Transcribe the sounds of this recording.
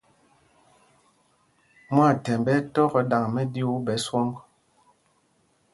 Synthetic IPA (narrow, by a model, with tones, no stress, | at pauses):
mwa˦˨tɛ˨mbɛ˦tɔ˦kɔ˨da˨ŋmɛ˦di˦wu˦bɛ˨˦swɔ˦ŋɡ